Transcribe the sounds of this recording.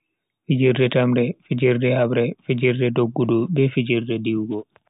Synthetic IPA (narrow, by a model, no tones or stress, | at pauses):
fid͡ʒiɾdɛtamɾɛfid͡ʒiɾdɛhabɾɛfid͡ʒiɾdɛdoɡːudubɛfid͡ʒiɾdɛdiwɡɔ